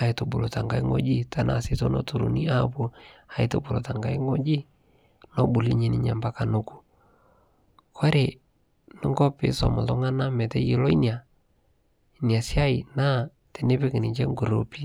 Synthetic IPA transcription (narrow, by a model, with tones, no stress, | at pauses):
a˨ɪ˨to˨bu˨lo˨ta˨ŋɡa˦i˦ŋo̰˦d͡ʒi˦ta˨na̰˦˨sɪ˦to˦nɔ̰˦tu˨ɾṵ˨ni˦a˦pu˦a˨ɪ˦to̰˨bu˨lo̰˨ta˨ŋɡa˦i˦ŋo˦d͡ʒi˦ | nɔ˦bu˨li˦ɲi˦nɪ˦ɲa˨mba˦ka˨nʊ˦ku̥˨ | kʰɔ˦ɾe˨ | nɪ˦ŋɡɔ˦pɪ̰˨˦sɔ̰˨mʊ˨tɔ˦ŋa˦na˦mɛ˨tɛ˦ji˨˦lɔ˦i˦nja˨ | nja˨sja˦ɪ˨na˦ | tɛ˨nɪ˦pɪ˦kɪ˨nɪ˨t͡ʃɛ˦ŋɡo˨ɾo˨pi˦